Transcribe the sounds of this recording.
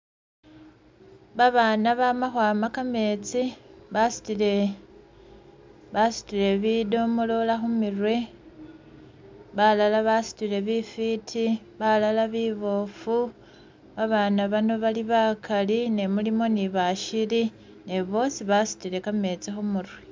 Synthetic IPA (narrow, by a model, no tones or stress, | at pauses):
βaβanaβamaxwaːmakame̞ːt͡siβasi̥tile | βasi̥tiɾe̞βido̞molo̞laxumirwe̞ | βalalaβasi̥tile̞βifitʰi | βalalaβiβo̞fu | βaβanaβano̞βaliβakʰaline̞mulimo̞niβaʃili | ne̞βo̞siβasi̥tiɾe̞kame̞t͡sixumurwe